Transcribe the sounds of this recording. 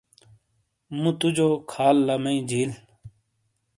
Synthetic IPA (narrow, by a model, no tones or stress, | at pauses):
mũt̪ud͡ʑoːkʰaːlːɐmɐĩd͡ʑiːl